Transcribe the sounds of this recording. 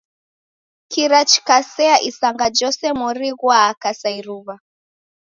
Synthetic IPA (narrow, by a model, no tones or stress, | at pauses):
kiɾat͡ʃkasɛaʔisaŋɡad͡ʒɔsɛmɔɾiɣwaːkasaiɾuβa